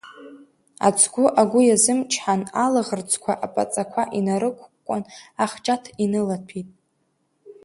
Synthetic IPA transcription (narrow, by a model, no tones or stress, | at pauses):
a̰t͡sʰʼɡʷʊʔaɡʷʊjazɨmt͡ʃʰħanalaʁərt͡sʰʼkʷʰaʔapʼa̰t͡sʼakʷʰaʔinaɾɨkʷkʷʼʊnaχt͡ʃʼatʰinɨlatʰitʼ